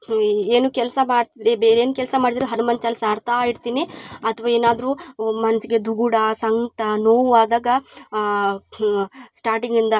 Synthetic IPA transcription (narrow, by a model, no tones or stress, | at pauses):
eːnuːkɛlsɐmaːɽt̪id̪ɾebeːɾeːnukɛlsɐmaːɽid̪ɾeɦɐɾumɐnt͡ʃɐlsɐɾt̪ʰɐjiɽt̪iːniɐt̪ʰɐʋaːeːnaːd̪ɾumɐnɐsiɡe̞d̪uɡuɽɐsɐŋɡʈɐnoːʋʋaːd̪aːɡɐ | sʈaːɾʈiŋɡind̪ɐ